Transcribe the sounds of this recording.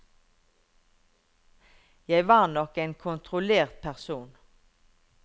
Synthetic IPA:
jæɪʋɑːʁnɔkeːnkʰʊnt̪ʰʁʊleːʁt̪̚pʰæʁsuːn

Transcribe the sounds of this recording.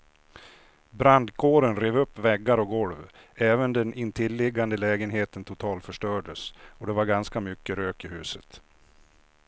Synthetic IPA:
bɾand̪kʰoːɾənɾeːvɵpːvɛɡːaɾɔɡɔlv | ɛːvənd̪ɛnʔɪnt̪ʰɪlːɪɡːand̪əlɛːɡənɦeːt̪ənt̪ʰʊt̪ʰɑːlfœʂʈœːɖəsɔd̪ɛvaɾɡanskamʏkːəɾøːkɪɦʉ̟ːsət̪

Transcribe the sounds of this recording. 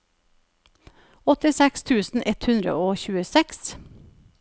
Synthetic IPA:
ɔt̪ɪsɛkst̪ʰʉːsn̩ʔɛt̪hʉnd̪ɾə̰oːçʉːəsɛks

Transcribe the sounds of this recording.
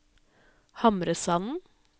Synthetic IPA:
hɑmɾəsɑnn̩

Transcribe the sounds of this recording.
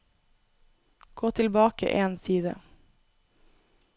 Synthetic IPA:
ɡ̥oːt̪ʰɪlbɑːkə̰ʔeːnsiːd̪ə̰

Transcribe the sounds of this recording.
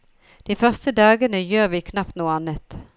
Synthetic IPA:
d̪̥iːfœʁst̪əd̪ɑːɡənəjøːʁʋiːkʰnɑpt̪nuːəɑnət̪

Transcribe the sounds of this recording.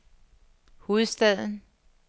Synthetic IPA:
hoð̩ˠsd̥ɛðˠn̩

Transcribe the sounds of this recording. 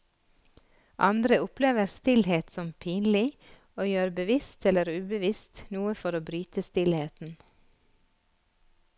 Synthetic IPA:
ʔɑ̰nd̪ɾəʊpleːʋəɾst̪ɪlheːt̪sɔmpʰiːnlɪ | oːjøːɾbəʋɪst̪ʰɛləɾʉːbəʋɪst̪nuːəfɔɾoːbɾyːt̪əst̪ɪlheːt̪n̩

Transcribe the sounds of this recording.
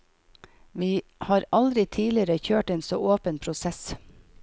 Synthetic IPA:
ʋiːhɑːɾʔɑld̪ɾɪt̪ʰiːlɪəɾəçøːʈeːnsoːʔoːpənpʰɾʊsɛs

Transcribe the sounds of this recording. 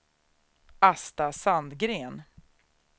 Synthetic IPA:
ast̪asand̪ɡɾeːn

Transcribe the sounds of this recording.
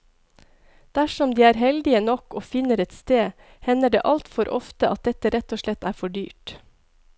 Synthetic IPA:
d̪̥æʃɔmd̪iːæːɾɦɛld̪ɪənɔkoːfɪnəɾɛt̪st̪eː | hɛnəɖḛːʔɑlt̪fɔɾʔɔ̰ft̪əʔɑ̰t̪̚d̪ɛt̪əɾɛt̪oːʂlɛt̪æːfɔɖyːʈ

